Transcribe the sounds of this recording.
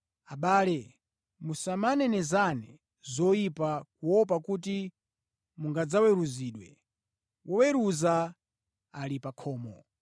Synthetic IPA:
aɓaːlɛ | musamanɛnɛzanɛ | zɔjipakuwɔp̬akut̬i | muŋɡad͡zawɛɾuziːɗwɛ̰ | wʔɔwɛɾuza | alipakʰɔːmɔ

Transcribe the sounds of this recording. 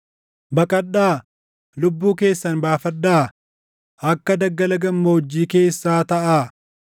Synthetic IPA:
bɐkʼɐᶑːaː | lʊbːuːke̞ːsːɐnbaːfɐɗːaː | ɐkːɐd̪ɐɡːɐlɐɡɐmːoʊd͡ʒːiːke̞ːsːaːt̪ɐʔaː

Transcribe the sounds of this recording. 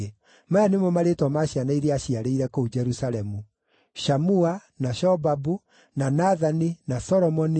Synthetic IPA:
e | maanemɔmaɾetɔmaɕianaiɾeaɕiaɾeiɾɛkoud͡ʒɛɾusaɾɛmu | ʃamuanaʃɔbabu | nanaðaninasɔɾɔmɔni

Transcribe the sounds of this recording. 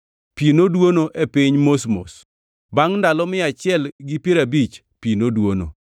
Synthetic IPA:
pinodwonoʔepiɲmosmo̰s | baŋndalɔmɪat͡ʃɪɛlɡipeɾabit͡ʃ | pinodwono̰

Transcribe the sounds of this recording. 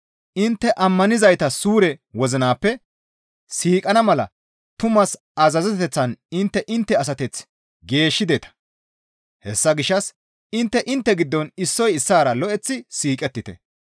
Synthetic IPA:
ʔɪnt̪ːɛʔɐmːɐnɪzɐjt̪ɐsuːɾɛwɔzɪnaːpːɛ | siːkʼɐnɐmɐlɐ̰ | t̪ʊmɐs | ɐzɐzɛt̪ɛt̪ɛt͡sːɐnɪnt̪ːɛʔɪnt̪ːɛɐs̬ɐt̪ɛt͡s | ɡe̞ːʃːɪd̪et̪ɐ̥ | hɛsːɐɡɪʃːɐs | ɪnt̪ːɛʔɪnt̪ːɛɡɪd̪ːɔnɪsːɔjɪsːaːɾɐlɔʔɛt͡sːɪsiːkʼɛt̪ːɪt̪ɛ̰

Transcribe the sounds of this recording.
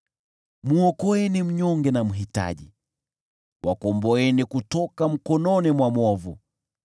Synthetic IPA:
muɔkɔɛnim̩ɲɔŋɡɛnam̩ɦita̰ʄḭ | wʔakɔmbɔɛnikutɔkam̩kɔnɔnimwamɔvu

